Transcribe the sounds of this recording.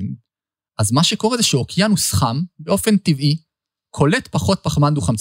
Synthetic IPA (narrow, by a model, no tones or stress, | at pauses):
m | ʔazmaʃeko̞ʁezeʃeokijanusχambeo̞fe̞ntivi | kʰo̞letpaχo̞t̚paχmand̪uχamt͡s